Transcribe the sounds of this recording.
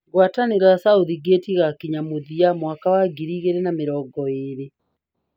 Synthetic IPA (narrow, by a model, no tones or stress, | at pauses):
ɣwataneɣasauðiɡetiɣakiɲamoðiamwakawaɡiɾiːɣeɾenameɾɔːɡɔeːɾe